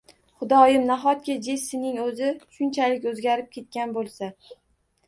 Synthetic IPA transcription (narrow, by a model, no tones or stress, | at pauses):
χʊd̪ɒjɪmnaɦɒt̪̚kʲad͡ʒesɪnɪŋɵzɪʃʊnt͡ʃʰalɪkʲɵzɡʲaɾɪp̚kʲʰe̞t̪̚kʲanbolˠsa